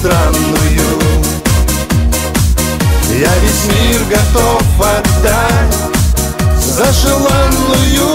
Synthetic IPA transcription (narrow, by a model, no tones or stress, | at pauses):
t̪ɾanːɨju | javʲɪsʲmʲirɡɐt̪ofvɐd̪ːa | zɐʂɨlˠanlˠɨju